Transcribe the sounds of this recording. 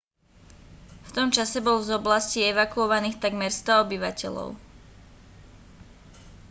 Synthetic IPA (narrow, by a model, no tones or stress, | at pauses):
ft̪ɔmt͡ʃasɛbɔlvzɔblasciɛʋakuɔʋaniːxt̪aɡmɛɾst̪ɔɔbiʋacɛ̰lɔ̰ʊ